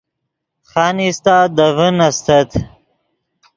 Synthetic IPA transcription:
χanist̪aːd̪ɐvənɐst̪ɐt̪ʰ

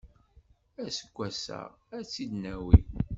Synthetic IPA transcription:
æsəɡʷːæsæ̰ʁæt͡sːid̪næwi

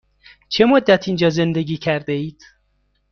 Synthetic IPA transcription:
t͡ʃʰe̞mod̪ːæt̪ʰind͡ʒɒːze̞nd̪e̞ɡiːcʰæɾd̪eiːd̪̥

